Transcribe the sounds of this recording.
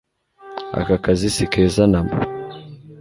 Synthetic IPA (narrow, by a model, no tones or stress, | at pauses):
a̰kakazisikʰeːzanamba̰